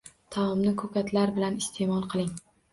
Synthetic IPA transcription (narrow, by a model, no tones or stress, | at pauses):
t̪ʰamɒmnɪkʰɵkʲat̪ʰlaɾbɪlanɪst̪ʰemɒlˠqʰɨlˠɪŋ